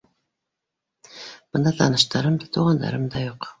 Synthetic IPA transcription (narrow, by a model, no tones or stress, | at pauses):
b̥ʊnd̪ɑt̪ʰɑnɯʃt̪ɑɾɯmd̪ɑt̪ʰuʁɑnd̪ɑ̰ɾɯmd̪ɑjoq